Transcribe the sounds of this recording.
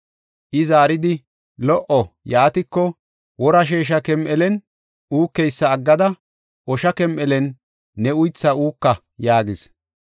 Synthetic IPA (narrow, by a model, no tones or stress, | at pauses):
ʔɪzaːɾɪd̪ɪ | lɔʔɔjaːt̪ɪkːɔ | wɔɾɐʃ̬eːʃ̬ɐkɛmʔɛlɛn | ʔuːkːɛjsːɐːɡːɐd̪ɐ | ʔɔʃɐkɛmʔɛlɛnː | ɛʊjt͡sːɐuːkːɐ | jaːɡɪs